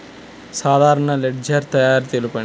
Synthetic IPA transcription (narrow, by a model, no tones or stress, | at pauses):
saːd̪ʱaːɾɐɳɐleɖd͡ʒɐɾt̪ɐjaːɾt̪eːlupɐ